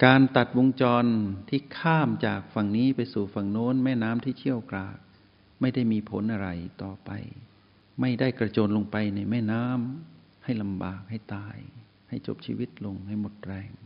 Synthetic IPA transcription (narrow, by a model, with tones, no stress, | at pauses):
kaː˧nt̪a˨˩t̪̚wo˧ŋt͡ɕɔː˧nt̪ʰiː˥˩kʰaː˥˩mt͡ɕaː˨˩k̚fa˨˩ŋniː˦˥pa˧jsuː˨˩fa˨˩ŋnoː˦˥nmɛː˥˩naː˦˥mt̪ʰiː˥˩t͡ɕʰi˥˩əwkɾaː˨˩k̚ | ma˥˩jda˥˩jmiː˧pʰo̰˨˦nʔa˧ɾa̰˧˩jt̪ɔː˨˩pa̰˧j | ma˥˩jdaː˥˩jkɾa˧t͡ɕoː˧nlo˧ŋpa˧jna˧jmɛː˥˩naː˦˥m | ha˥˩jla˧mbaː˨˩k̚ha˥˩jt̪aː˧j | ha˥˩jt͡ɕo̰˨˩p̚t͡ɕʰḭː˧wi˦˥˩t̪̚lo˧ŋha˥˩jmo˨˩t̪̚ɾɛː˧ŋ